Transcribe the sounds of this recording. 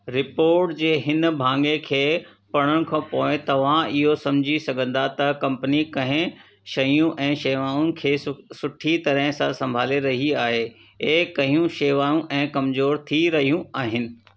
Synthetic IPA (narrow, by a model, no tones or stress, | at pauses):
ɾɪpoːɾʈd͡ʑeːɦɪnbʱãːŋɡekʰeː | pɐɽ̃əɽ̃ʊ̆kʰãpoːɪ̃t̪ɐʋ̤ãɪɦosɐ̃md͡ʑʱisɐɡʱə̃nd̪at̪ɐkɐ̃mpənikɐ̃ɦɪ̃ | ʃɐjũʔɛ̃ːʃeːʋaːʊ̃nɪ̆kʰeːsʊʈʰit̪ɐɾəɦɪ̃sãsɐ̃mbʱaːleɾɐɦiaːɦeː | ekɐɦiũʃeːʋaːjũʔɛ̃ːkɐmzoːɾt̪ʰiɾɐɦijũaːɦɪnɪ̆